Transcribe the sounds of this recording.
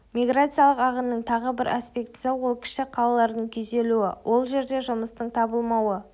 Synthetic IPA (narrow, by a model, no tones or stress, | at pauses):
mʲijɡrat̪sɨjalˠəqɑʁənːəɴt̪ʰɑʁəbɪɾaspe̞kt̪sɪwolˠkʲʰɪ̥ʃɪqʰɑlˠɑlˠɑɾd̪əɴkʲʰɵze̞luɪwʔo̞lˠʒe̞ɾd̪e̞ʒʊməst̪əɴt̪ʰɑbəlˠmɑwə